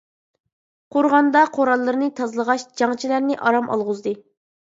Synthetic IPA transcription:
qʰoɾʁɑnd̪ɑqʰoɾɑlˠːɨɾɨnɨt̪ʰɑzlˠəʁɑʃd͡ʒɑŋt͡ʃʰilæɾnɪʔɑɾɑmʔɑ̰lˠʁʊzd̪ɨ

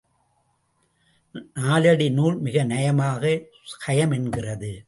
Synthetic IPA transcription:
naːlɐɽinuːlmɪɣɐnɛjɐmaːɣɐ | kɐjɐmɛnɡɪrɐðɯ

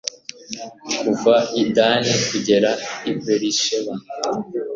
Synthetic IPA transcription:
kuvaidanikuɟe̞ɾaipeɾiʃeβa

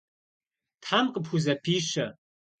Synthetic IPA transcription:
tħamkʼəpʰxuzɐpʰiːʃɐ

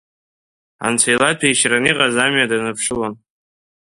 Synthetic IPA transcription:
a̰nt͡sʰajlapʰajʃraniqʼazamɥadanɨpʰʂɨlan

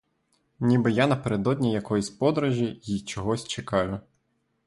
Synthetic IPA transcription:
nʲibɪjanɐpeɾed̪ɔdʲnʲijɐkɔjisʲpɔd̪ɾɐʒʲijit͡ʃɔɦɔsʲt͡ʃekɑjʊ

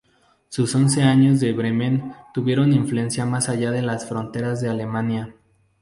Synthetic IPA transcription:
suso̞nse̞aɲo̞zðe̞βɾe̞mẽnt̪uβje̞ɾoniɱflue̞nsjamasaʝaðe̞lasfɾo̞nt̪e̞ɾazðe̞ale̞mãnja

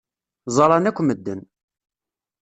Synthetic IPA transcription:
zˤɑlˤɑnækʷːməd̪ːən

